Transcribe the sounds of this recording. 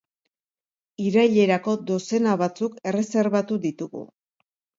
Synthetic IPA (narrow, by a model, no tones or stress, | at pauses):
iɾajʎe̞ɾako̞d̪o̞se̞naβat͡suke̞re̞se̞ɾβat̪uðit̪uɣṵ